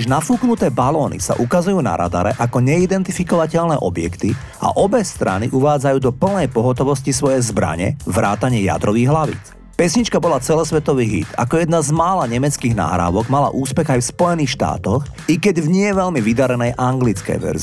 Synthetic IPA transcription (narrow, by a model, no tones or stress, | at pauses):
ʒnafuːknut̪ɛːbalɔːnḭsa̰ʔukazujuːna̰ɾa̰d̪aɾɛ̰ʔakɔɲɛid̪ɛnt̪ifikɔʋacɛʎnɛːʔɔbjɛ̰kt̪i | a̰ʔɔbɛst̪ɾa̰niʔuʋaːd͡zajuːd̪ɔpl̩nɛjpɔɦɔt̪ɔʋɔscisʋɔjɛzbɾa̰ɲɛ̰ʋɾa̰ːt̪aɲɪɛja̰d̪ɾɔʋiːɣɦlaʋḭːt͡s | pɛsɲit͡ʃkabɔlat͡sɛlɔsʋɛt̪ɔʋiːɦḭt̪a̰kɔjɛd̪nazmaːlaɲɛmɛt͡skiːɣna̰ːɦɾa̰ːʋɔɡmala̰ʔuːspɛɣajfspɔjɛniːxʃt̪a̰ːt̪ɔx | ikɛɟvɲɪɛʋɛʎmiʋid̪aɾɛnɛjʔaŋɡlit͡skɛ̰jʋɛ̰ɾz